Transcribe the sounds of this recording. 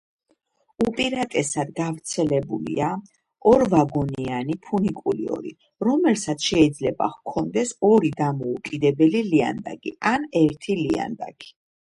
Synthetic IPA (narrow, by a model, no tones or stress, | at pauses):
upʼiɾat̪ʼɛsad̪ɡavɾt̪sʰɛlɛbulḭa | ɔɾvaɡɔnianipʰunikʼuliɔ̰ɾḭ | ɾɔmɛlsat̪sʰʃɛid̪zlɛba̰ʁkʰɔnd̪ɛsɔɾid̪amɔukʼid̪ɛbɛlilia̰nd̪a̰ɡʼḭanɛɾt̪ʰilia̰nd̪a̰ɡʰi̥